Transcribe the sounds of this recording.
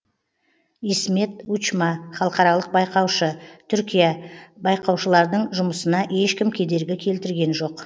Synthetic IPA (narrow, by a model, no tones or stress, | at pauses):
isme̞t̪ut͡ʃmɑχɑlˠəqɑɾɑlˠəq̚bɑjqɑwʃət̪ʰʏɾkʲijabɑjqɑwʃəlˠɑɾd̪əɴʒʊməsənɑʔe̞ʃkʲɪmkʲʰe̞d̪e̞ɾɡʲɪkʲʰe̞lt̪ɪɾɡʲe̞nʒo̞q